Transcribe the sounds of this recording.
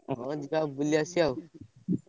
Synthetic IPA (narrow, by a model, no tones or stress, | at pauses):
d͡ʒikabuliasiau